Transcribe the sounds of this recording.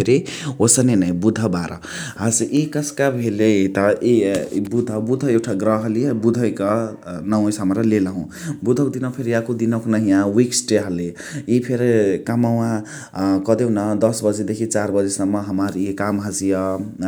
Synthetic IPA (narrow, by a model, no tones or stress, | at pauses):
eɾiosʌnenʌĩbud̪ʱʌbaɾʔʌ̰ | ɦasʔikʌskabʱelet̪ʌʔibud̪ʱʌbud̪ʱʌewʈʰaɡrʌɦʌlibud̪ʱʌjkʌnʌw̃ʌ̃jsʌmɾʌlelaɦũ | bud̪ʱʌkod̪inapʰeɾiakod̪inʌknʌɦĩjãwiksʈeɦʌle | ipʰeɾikamaw̃ã | kʌd̪ewnʌd̪ʌsbʌd͡zed̪ekʰit͡sarbʌd͡zesʌmːʌɦʌmaɾikamɦad͡zijʌ